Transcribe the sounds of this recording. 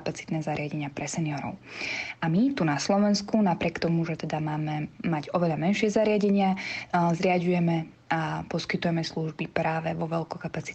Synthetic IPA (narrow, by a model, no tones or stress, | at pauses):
pat͡si̥t̪nɛːzaɾɪaɟɛɲɪapɾɛsɛnijɔɾɔ̰ʊʔamit̪unaslɔʋɛnskunapɾʲɪɛkt̪ɔmuʒɛt̪ɛd̪amaːmɛmaɟɔʋɛʎamɛnʃɪɛzaɾɪaɟɛɲɪazɾɪaɟujɛmɛ | apɔskit̪ujɛmɛsluʒbipɾaːʋɛʋɔʋɛlkɔkapat͡si̥